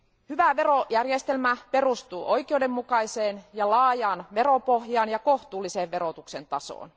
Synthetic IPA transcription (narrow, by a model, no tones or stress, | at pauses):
hyʋæʋe̞rojærjest̪e̞lmæpe̞rust̪uːʔo̞jkeude̞mːukɑiseːnjɑlɑːjɑːnʋe̞ɾopohjɑːnjɑko̞ht̪uːlːiseːʋʋeɾot̪uksent̪ɑso̰ːn